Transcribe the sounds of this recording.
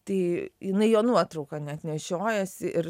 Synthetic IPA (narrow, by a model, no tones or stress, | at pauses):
t̪ɐɪjɪnɐɪjoːnuɔt̪ɾɐʊkɐnʲɛɐt̪ʲnʲɛʃʲoːjɛsʲɪʔɪɾ